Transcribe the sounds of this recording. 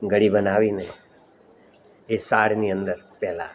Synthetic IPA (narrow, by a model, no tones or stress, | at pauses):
ɡəɽibənaʋine | esaɽniə̃nd̪əɾpɛɦla̰